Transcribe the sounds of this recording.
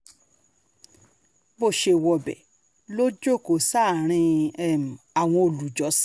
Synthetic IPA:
bo˦˨ʃe˧˨wɔ˧bɛ˨ | lo˦d͡ʒo˦˨ko˨sa˦˨ɾ̃ĩ˧ɛ˦˨m̩˨a˨w̃ɔ̃˧o˨lu˨d͡ʒɔ˨˦s

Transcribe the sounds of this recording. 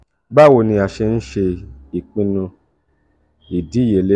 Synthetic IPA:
ba˦˨wo˧nĩ˧a˨ʃe˧n̩˦ʃe˧i˨k͡pĩ˧nũ˧ | i˨di˨˦˨je˨le˦

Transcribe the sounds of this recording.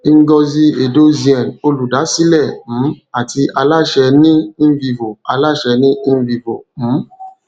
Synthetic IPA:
i˧ŋ̩˦ɡɔ˧zi˧e˨do˦zi˨ɛ˨no˧lu˨da˨˦si˦lɛ˦˨m̩̃˨˦a˨ti˧ʔa˧la˦ʃɛ˧nĩ˦vi˧˨vo˨a˧la˦˨ʃɛ˧nĩ˦˧˦vi˧vo˨m̩̃˨˦

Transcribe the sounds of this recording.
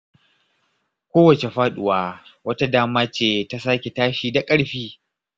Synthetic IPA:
kʷoː˦wɐ˨t͡ʃe˨ɸaː˦ɗʊ˦waː˨wɐ˦ta˦daː˦maː˦t͡ʃeː˦˨ta˦sa˦kʲe˨taː˦ʃiː˨da˨kʼɐ˦ɽɸiː˦

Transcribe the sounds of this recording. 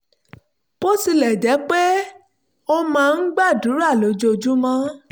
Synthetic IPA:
bo˦si˧lɛ˨d͡ʒɛ˨˦k͡pe˦ | o˧mãː˦˧n̩˦ɡ͡ba˦˨du˨˦ɾa˦˨lo˨˦d͡ʒo˧˨d͡ʒu˦mã˦

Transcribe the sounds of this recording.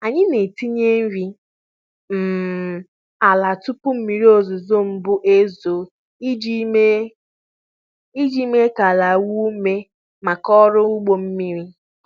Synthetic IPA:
a˨ɲɪ˦ne˨ti˦ɲe˦m̩˦vi˦ | m̩˨ | a˨la˨tʊ˦pʊ˦m̩˦mi˨ɾi˦o˦˨zʊ˨zo˦m̩˦bʊ˦ʔe˦zo˨˦ | d͡ʒe˦ | i˦d͡ʒi˦me˦ka˨la˨wu˦me˦ | ma˨kɔ˦ɾʊ˦u˦ɡ͡bo˨m̩˦mi˦ɾi˦

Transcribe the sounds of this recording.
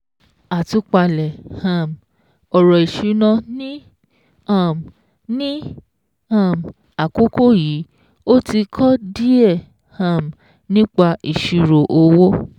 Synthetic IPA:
a˨tu˧˦k͡pa˧lɛ˨hã˨m | ɔ˨ɾɔ˨i˨ʃu˨˦nɔ̃˧nĩ˦ | a˦˨m | nĩ˦ | ã˦˨m˨ | a˨ko˦ko˦˨ji˨˦ | o˦ti˧kʰɔ˦di˦ɛ˦˨ | hã˨m | nĩ˦k͡pa˧i˨ʃu˨˧ɾo˨ʔo˧˦wo˦

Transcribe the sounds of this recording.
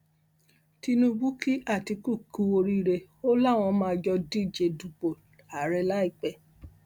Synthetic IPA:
ti˧nũ˧ɡ͡bu˦ki˦a˦˨ti˧ku˦˨ku˧˦o˧ɾi˦ɾe˧ | o˦la˦˨w̃ɔ̃˧mãː˧d͡ʒɔ˧di˦˨d͡ʒe˧du˨k͡po˨ | a˨˦ɾɛ˧la˦i˦˨k͡pɛ˨

